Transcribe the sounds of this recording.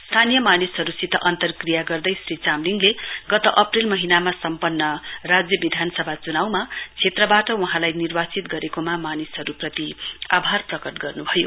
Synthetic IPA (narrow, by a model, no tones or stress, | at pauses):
st̪ʰanijʌmanisɦʌɾusit̪ʰʌʔʌnt̪ʌrkrijaɡʌrd̪ʌjsrit͡samliŋɡleɡʌt̪ʌʔʌprilmʌɦinamasʌmpʌnːʌrad͡zjʌbid̪ʱansʌbʱat͡sunawmat͡sʰet̪rʌbaʈʌwuɦãlajnirbat͡sit̪̚ɡʌɾekomamanisɦʌɾuprʌt̪ia̰bʱarprʌkʌʈɡʌrnubʱʌjo̰